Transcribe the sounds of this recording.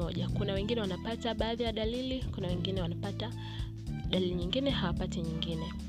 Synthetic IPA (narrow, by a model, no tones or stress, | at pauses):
ɔʄakunawɛŋɡinɛwanapataɓaːðijaɗalilikunawɛŋɡinɛwanapata | ɗaliliɲiŋɡinɛhawapatiɲiŋɡinɛ